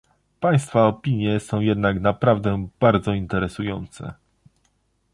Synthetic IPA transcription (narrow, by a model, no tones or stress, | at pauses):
paj̃st̪faɔpʲiɲjɛsɔ̃w̃jɛd̪naknapɾavd̪ɛb̥aɾd̪zɔint̪ɛɾɛsujɔnt̪sɛ̰